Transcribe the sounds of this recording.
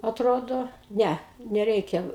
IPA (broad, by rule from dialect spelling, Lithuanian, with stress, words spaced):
ɐtˈroːdoː ˈnʲɛ nʲɛˈrʲɛɪkʲɛ